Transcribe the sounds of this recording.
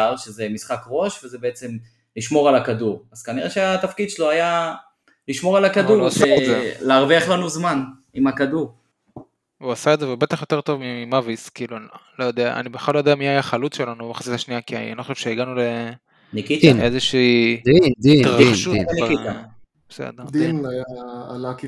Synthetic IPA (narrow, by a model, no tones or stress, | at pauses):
aʁʃezemisχakʁo̞ʃvezebeet͡se̞m | liʃmo̞ʁalakaduʁaz̥kaniʁeʃeat̪afkid̪ʃeloaja | liʃmo̞ʁalakaduʁasezeleːʁveaχlanuzman | imakad̪uʁ | uasaedzevebe̞t̪aχjot̪e̞ʁt̪o̞vmiimaviskiːlulojod̪ea̰ʔa̰nibeχalːojd̪eamiajaχalut͡sʃe̞lanubbaχḁsit̪aʃniakian̰anixoʃevʃeiɡanule | nikit̪nezeʃiːditʁaχʃunikit̪a | b̥e̥sḛd̪eʁd̪iinajaːnaki